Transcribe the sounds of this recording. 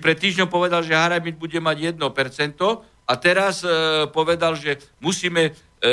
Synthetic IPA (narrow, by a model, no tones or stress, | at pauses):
pɾɛt̪ːiːʒɲɔʊpɔʋɛd̪alʒɛɦaɾamid̪̚buɟɛmaɟjɛd̪̚nɔpɛɾt͡sɛnt̪ɔ | at̪ɛɾaspɔʋɛd̪alʒɛmusiːmɛ